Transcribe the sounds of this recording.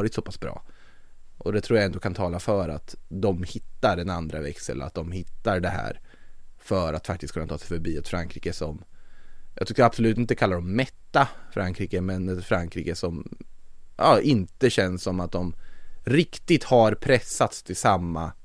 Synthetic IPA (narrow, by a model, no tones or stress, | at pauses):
ɾɪt̪sɔpʰasbɾɑ̰ː | ʔɔd̪ɛt̪ʰɾuːjaɛnd̪oɔkʰant̪ʰɑːlafœɾa̰t̪d̪ɔmhɪt̪ːaɾɛnand̪ɾavɛksə̰la̰t̪̚d̪ɔmhɪt̪ːaɾɖɛɦæ̰ːɾfœɾat̪fa̰k̚t̪ɪst̪kʰɵnat̪ɑːsɛɪfœɾbiːat̪fɾaŋkʰɾiːkəsɔm | jʔɑɡt̪ʏkːəɾabsɔlʉt̪ɪnt̪əkʰalːaɖɔmːɛt̪ːafɾʔaŋkʰɾiːkəmɛnɛfɾaŋkʰɾḭːkəsɔm | ʔɑːʔɪnt̪əɕɛnssɔmat̪̚d̪ɔmɾɪkt̪ɪt̪haɾpʰɾɛsːat̪st̪ʰɪlsamːa